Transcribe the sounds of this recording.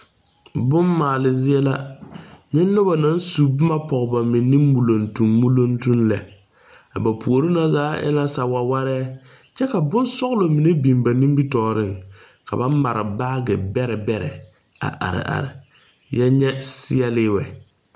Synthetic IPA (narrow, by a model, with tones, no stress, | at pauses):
bʊ˦mːaː˨lɪ˨zɪ˦ɛ˦la˦ | ɲɛ˦nːʊ˦ba˨na˦n˦su˨bma˦pɔ˨ɣba˨mɪ˨nːiː˦u˨lo˨ntu˨mːu˦lo˦ntu˦nlɛ˨ | a˨ba˨pʰu˨o˨ɾi˦na˦zaː˨˦ʔɛ̰˦la˦sa˨wa˨wa˦ɾɛː˦ | t͡ʃɛ˦ka˨bʊ˦nsɔ˦ɣlo˨mi˨ne˦bi˨mba˨nĩ˦mbi˦tɔː˨ɾɪ˦˨ŋ | ka̰˨ba˦n˦ma˨ɾɪ̰˨ba˦ɡɪ˨bɛ˦ɾɛ˨bɛ˦ɾɛ̰˨ | a̰˨ʔa̰˨ɾɪ̰˨ʔa̰˨ɾɪ˨ | jɛ˦ɲɛ˦sɪ˦ɛ˦lɪ˦wɛ˨